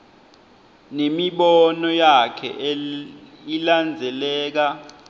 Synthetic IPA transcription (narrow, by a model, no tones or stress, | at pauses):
nemiɓɔnɔjakʰɛ̰ | iland͡zʱɛlɛːk̬a